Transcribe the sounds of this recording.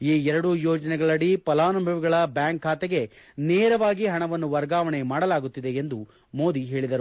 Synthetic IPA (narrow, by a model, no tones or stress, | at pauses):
iːɛɾɐɽujoːd͡ʒɐnɛɡɐɭɐɽipɐlaːnɐmbʱɐʋiɡɐɭɐbjaːŋkʰːaːt̪ɛɡe̞neːɾɐʋaːɡiɦɐɳɐʋɐnːuʋɐɾɡaːʋɐɳemaːɽɐlaːɡut̪ːid̪e̞end̪u | mo̞ːd̪iɦe̞ːɭid̪ɐɾu